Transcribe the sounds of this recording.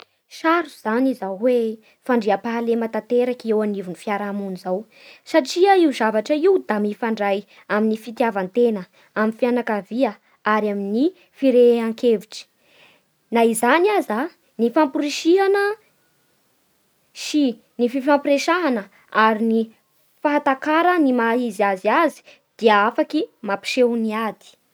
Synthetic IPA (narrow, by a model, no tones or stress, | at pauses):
ʃaɾuz̥anizawwe | faɳɖ͡ʐiapalemat̪ant̪eɾakewanivunifiaɾamunizaw | saʈ͡ʂiaiuzavaʈ͡ʂəiwd̪amifaɳɖ͡ʐaj | aminifit̪iavant̪enə | aminfianakaviə | aɾamini | fiɾeaŋkeviʈ͡ʂi̥ | naizaniaza | nifampuɾiʃianə | si | nififampiɾeʃaɦanə | aɾini | faɦat̪akaɾənimaɦiziaziazi̥ | d̪̥iəafakimapi̥ʃewniad̪i̥